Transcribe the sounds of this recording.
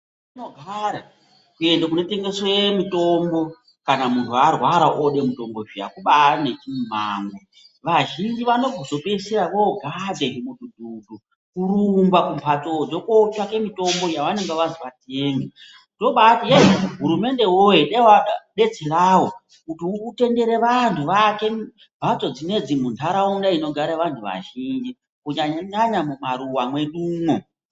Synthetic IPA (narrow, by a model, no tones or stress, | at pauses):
ino̞ɡʱaɾa | kue̞ndakuno̞te̞ŋɡe̞swemito̞mbo̞ | kanamuntʰuarwaɾaʔoɗe̞muto̞mbo̞ʒija̰kuɓanet͡ʃim̤aːŋɡo | ʋaʒind͡ʒiʋano̞ɡʱozo̞peiseɾaʋoɡʱad͡zeɦemududʱuːdu | kurumbwakumpʰat͡sod͡zo̞kot͡ʃake̞mito̞mbo̞jaʋane̞ŋɡeʋaziʋate̞ːŋɡe | to̞ɓatijeɦuɾume̞nde̞wojeɗewaɗe̞d͡zeraːwo | kutiute̞nde̞ɾe̞ʋantʰuʋake̞ | mbʱat͡so̞d͡zine̞d͡zimundaɾaundaino̞ɡʱaɾaʋantʰuʋa̰ʒind͡ʒi | kuɲaɲaɲamumaɾuwamwe̞nuːmo